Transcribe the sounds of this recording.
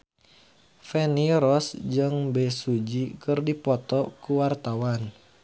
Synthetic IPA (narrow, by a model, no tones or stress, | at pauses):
fɛniɾɔsd͡ʒɨŋbɛsud͡ʒikɨrdipɔt̪ɔkuwart̪awan